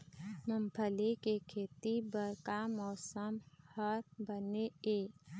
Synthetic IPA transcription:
məmpʰəlekekʰeːt̪ibəɾkamɔːsəmhəɾbəneeː

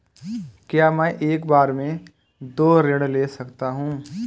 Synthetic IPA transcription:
kjaːmɛ̃ʔeːkbaːɾmẽ | d̪oːɾeɽleːsɐkt̪aɦũː

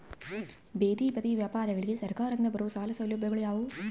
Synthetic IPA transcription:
beːd̪iːpɐt̪iʋjaːpaːɾɐɣɐɭkisɐɾkaːɾɐnd̪ɐbɐɾɐʋsaːlɐsɐwloːbʱjɐɣɐɭujaːʋu

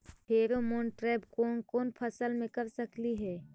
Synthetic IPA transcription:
ɦeːɾomoːɳʈɾɛːbkoːnkoːnpʰɐsəlmẽkɐɾsəkliɦɛː

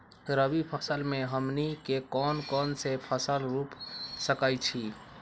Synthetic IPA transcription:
ɾəbipʰəsəlmeɦəmnikekɔnkɔnsepʰəsəlɾupsəkajt͡ʃʰi

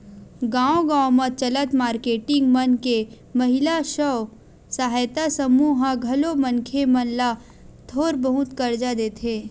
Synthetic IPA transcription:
ɡãːõɡãːwmət͡ʃɐlət̪maːɾkeːʈɪ̃ŋɡmɐnke | mɐɦɪlaʃɔː | saɦajt̪asəmuːɦaɡʱɐlomənkʰemɐnla | t̪ʰoːɾbəɦʊt̪kɐɾd͡ʒad̪eːt̪ʰeː

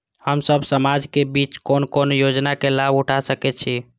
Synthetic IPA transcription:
həmsəbsəmad͡ʒkebit͡ʃkonkonjod͡ʒnakelabuʈʰasəkɛt͡ʃʰi

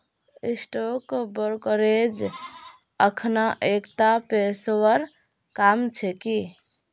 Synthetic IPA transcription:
isʈokbəɾkəɾed͡ʒ | əkʰnaʔekt̪apeswəɾ | kamt͡ʃʰɛki

